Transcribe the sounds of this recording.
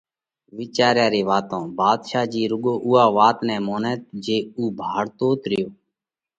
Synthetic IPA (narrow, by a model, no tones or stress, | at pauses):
ʋɪːt͡ʃaːɾjaːɾeːʋaːt̪õːbaːd̪ʃaːd͡ʒiːɾʊɠoːʔʊːaːʋaːt̪nɛ̃ːmoːnɛːt̪̚d͡ʒeːuːbʱaːɽt̪oːt̪ɾɪjoː